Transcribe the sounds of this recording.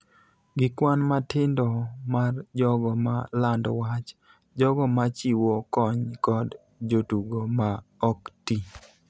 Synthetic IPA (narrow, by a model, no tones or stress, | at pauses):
ɡɪkwanmatɪndɔmard͡ʒɔɡɔmalandɔwat͡ʃ | d͡ʒɔɡɔmat͡ʃiwɔkɔɲkɔd | d͡ʒotuɡomaɔkti